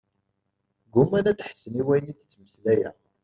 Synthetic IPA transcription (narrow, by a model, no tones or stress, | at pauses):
ɡumænæt͡sːħəsːəniwæjənidət͡sːməslæjæ̰